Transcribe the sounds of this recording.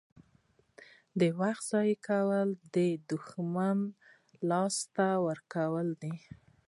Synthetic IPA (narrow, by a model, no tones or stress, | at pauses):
d̪əwaxt̪z̥ɑjkawəld̪əd̪ʊxman | lɑst̪awəɾkawəld̪i